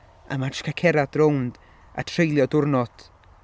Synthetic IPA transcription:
a̰matʃkʰakʰɛɾad̥rownd̥ | a̰tʰrejlˠjɔdʊrnɔd̥

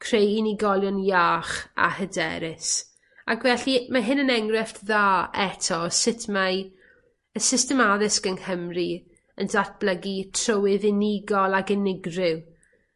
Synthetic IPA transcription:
kʰrejɪnɪɡɔlˠjɔnjaːχa̰hədɛ̰ɾɪs | akvɛɬimaɦɪnənɛŋrɛftðaːɛtʰɔsɪtʰma | əsɪstɛmaðɪsɡənhəmri | əndʰat̚b̥ləɡitʰrowɪðɪnɪɡɔlˠaɡɪnɪɡrɪw

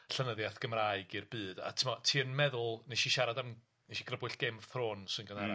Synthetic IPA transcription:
ɬənəðjaθɡ̥əmraːɨɡirbɨːd̥a̰tʰəmɔtʰiːənmɛðʊlˠneʃiʃaɾadam | neʃiɡrəbʊɨɬɡ̥emθroːnsɨnɡəna

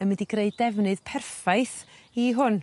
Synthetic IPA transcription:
əmɛdiɡreɨdɛvnɨð̥pʰɛrfajθ | iɦʊn

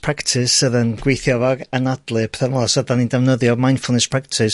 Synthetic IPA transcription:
pʰɹ̥aktʰɪsəðənɡ̥wejθjɔvaɡənadlˠɨpʰɛ̥θəmɔlsadanindɛvnəðjɔmajnfʊlˠnɛspʰɹ̥ak̚tʰɪs

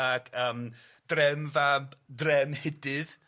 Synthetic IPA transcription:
akʰəːm | d̥rɛmvabdrɛmhɪdɨð

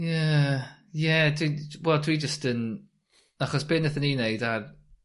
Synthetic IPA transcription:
jɛ | jɛdwiwɛlˠdʰwid͡ʒəstən | aχɔsb̥ɪnəθənineɨdar

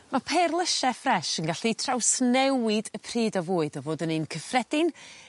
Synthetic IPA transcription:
mapʰɛrlˠəʃɛfrɛʃənɡaɬitʰrawsnɛwɪdəpʰriːdɔvuːɨdɔvoːdənɨnkʰəfrɛd̥ɪn

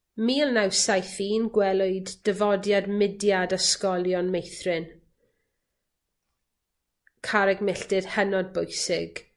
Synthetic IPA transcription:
miːlˠnawsajθiːnɡwɛlˠʊɨdːəvɔdjadmɪdjadaskɔlˠjɔnmejθrɨn | kʰaɾɛɡmɪɬtɪd̥hənɔd̚bʊjsɪɡ̥

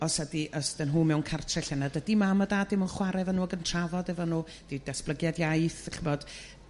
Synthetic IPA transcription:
ɔsadiʔəstənɦuːmɛwnkʰartʰrɛɬɛnadədimamədadɪmənχwaɾɛvənuɔɡəntʰravɔdɛvənu | d̥idɛsb̥lˠəɡjadjajθχəvɔd̥

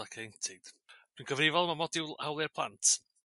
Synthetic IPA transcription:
akʰejntʰɪd̥ | d̥winɡʰəvrɪvɔlˠmamɔdɪwawlˠɪrpʰlˠa̰ntʰ

